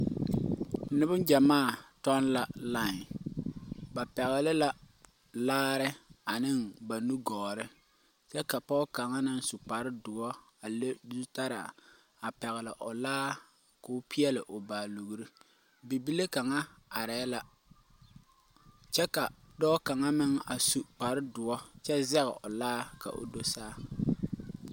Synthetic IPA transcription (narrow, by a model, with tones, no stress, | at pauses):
nɪ˦bʊ˦nd͡ʒa˨maː˦˨tɔ˦nla˨la˦˨ | ba˨pɛ˨ɣɪ˨lɪ˦la˦ | laː˦ɾɪ˦a˨nɪ˦ŋba˨nu˦ɡɔː˨ɾɪ˦ | t͡ʃɛ˦ka˨pɔ˦ka˨ŋa˦na˨n˦sʊ˨k͡pa˨ɾɪ˦dʊ˨ɔ˦ | a˨le˦du˦ta˦ɾa̰˨ | a˨pɛ˨ɣɪ˨lɪ˨ʔʊ˨laː˦ | ko˨ʊ˦pi˦ɛ˦lɪ˨ʔʊ˨baː˨lu˨ɣu˨ɾi˦ | bi˨bi˦le˦ka˨ŋa˦a˨ɾɛ˨˦la˦ | t͡ʃɛ˦ka˨dɔː˦ka˨ŋa˦mɪ˦ŋa˨su˨k͡pa˨ɾɪ˦dʊ˨ɔ˦t͡ʃɛ˦zɛ˦ɣɛ̰˨ʔʊ̰˨laː˦ka̰˨ʔʊ̰˨do˦saː˦